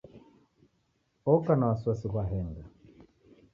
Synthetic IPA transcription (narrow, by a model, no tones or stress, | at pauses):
ɔkanawaswasiɣwaɦɛnda